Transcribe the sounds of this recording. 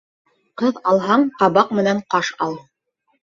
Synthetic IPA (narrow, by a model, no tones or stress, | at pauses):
qɤðɑlˠɦɑɴqɑβɑqmɘ̆næɴqɑʃɑlˠ